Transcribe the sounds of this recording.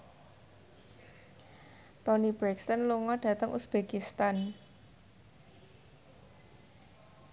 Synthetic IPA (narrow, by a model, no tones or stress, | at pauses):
t̪ɔnib̥ɾɛkst̪ənluŋɔɖ̥ä̤t̪əŋʔusb̥ekist̪an